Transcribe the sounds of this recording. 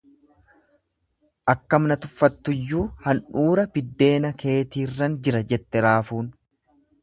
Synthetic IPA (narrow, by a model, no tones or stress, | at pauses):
ʔɐkːɐmnɐt̪ʊfːɐt̪ːʊjːuːhɐnᶑuːɾɐbɪd̪ːe̞ːnɐkʰe̞ːt̪iːrːɐnd͡ʒɪɾɐd͡ʒɛt̪ːɛɾaːfuːn